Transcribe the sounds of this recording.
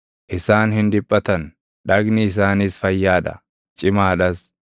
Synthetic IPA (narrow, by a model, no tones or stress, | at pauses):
ʔɪsaːnhɪnd̪ɪpʼːɐt̪ɐn | ᶑɐɡnɪɪs̬aːnɪsfɐjːaːd̪ɐ̰ | t͡ʃʼɪmaːᶑɐs